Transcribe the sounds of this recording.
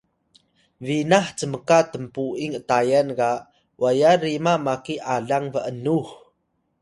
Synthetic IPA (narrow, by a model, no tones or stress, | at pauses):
vinaħt͡səməkatəmpuiŋətajanka | wajaɾimamakiʔaɮaŋvəʔənuh